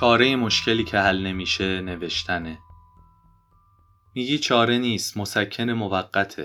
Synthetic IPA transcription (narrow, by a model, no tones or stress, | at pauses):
t͡ʃʰɒːɾejemo̞ʃcʰe̞liːcʰe̞hælne̞miːʃe̞ne̞ve̞ʃt̪ʰæne | miːɟiːt͡ʃʰɒːɾe̞niːst̪mo̞sæcʰːe̞ne̞movæɢːæt̪ʰḛ